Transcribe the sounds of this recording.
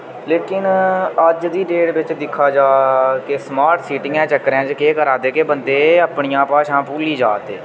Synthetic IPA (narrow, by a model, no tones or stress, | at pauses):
leːkɪnəd͡ʒd̪iːɖeːɽʋɪt͡ʃd̪ɪkʰːaːd͡ʒaːkesmaːɾʈsiːʈɪ̃ŋɛ̃ːt͡ʃəkːəɾɛ̃ːd͡ʒkeːkəɾãːd̪eːkeːbənd̪eːəpɳijãːpaːʃãːpuːliːd͡ʒaːt̪ḛː